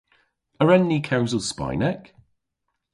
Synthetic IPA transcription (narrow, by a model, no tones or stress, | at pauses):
əɹɛnːiːkʰawzəlˠspa̰jnɛk